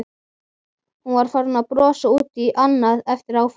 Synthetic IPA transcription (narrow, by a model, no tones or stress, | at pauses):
hunvaɾ̥faɾʏnaðpɾɔːsauːt̪iʔanːaðɛft̪ɪɾawf